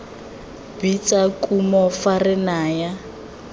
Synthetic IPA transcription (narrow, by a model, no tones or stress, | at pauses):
bit͡sakʼumɔfarɪnaːja